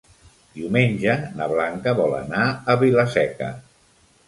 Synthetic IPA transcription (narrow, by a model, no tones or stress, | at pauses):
d̪̥iwmenʲʒənəβlaŋkəβɔlə̰naəβiləsɛkə̰